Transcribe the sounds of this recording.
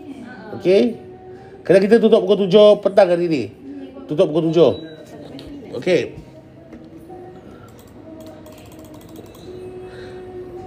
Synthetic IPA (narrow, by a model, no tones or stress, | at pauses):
oke | kadaŋkit̪at̪̬ut̪ʊʔpukot̪̬ud͡ʒopət̪aŋkaɾinit̪ut̪ʊʔpukot̪̬ud͡ʒo | oke